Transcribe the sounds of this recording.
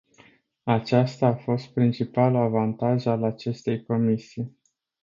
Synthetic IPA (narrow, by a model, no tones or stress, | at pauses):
at͡ʃast̪aːfo̞st̪̚pɾint͡ʃipalaavant̪aʒalat͡ʃe̞st̪e̞jko̞misij